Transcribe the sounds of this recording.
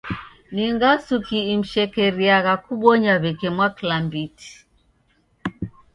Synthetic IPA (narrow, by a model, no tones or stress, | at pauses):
niŋɡasukiːm̩ʃɛkɛɾiaɣakuɓɔɲaβɛkɛmwaklambiti̥